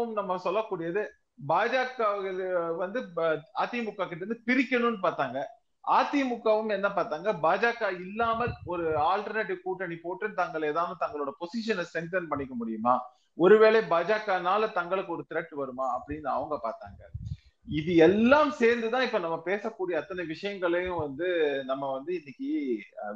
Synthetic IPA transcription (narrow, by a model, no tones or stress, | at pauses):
ɯmnɐmːɐsɔlːɐkːuːɽɪjɐðɯ | baːd͡ʒaːkːaːɣɐɭɯʋɐnd̪ɯaːt̪ːɪmʊkːaːkɪʈːɾɯnd̪ɯpɪɾɪkʲːɐɳʊnːɯpaːɾt̪aːŋɡɐ | aːt̪ːimʊkːaːʋɯmɛnːɐ̃paːɾt̪aːŋɡɐbaːd͡ʒaːkaːɪlːaːmɐlɔɾɯaːlʈɐɾneʈːɪkuːʈːɐnipoːʈːɯnt̪ɐŋɡɐɭeːðaːnɐt̪ɐŋɡɐɭoːɽɐpɔsɪʂɐnɐsɛnʈɐnpɐɳːɪkːɐmʊɽɪjɯmaː | ɔɾɯʋeːɭebaːd͡ʒaːkaːnaːlɐt̪ɐŋɡɐɭɯkːɯɔɾɯt̪ɪɾɐk̚ʈːʋɐɾɯmaːɐpːɐɽɪnːɐʋɐŋɡɐpaːɾt̪a̰ːŋɡɐ | ɪðɯɛlːaːmseːɾnd̪ɯt̪ãːɪpːoːnɐmːɐpeːsɐkːuːɽɪjɐt̪ːɐnɐʋɪʂɐjɐŋɡɐɭɐjʊ̃ʋɐnd̪ɯnɐmːɐʋɐnd̪ɯɪnːɪkːɯ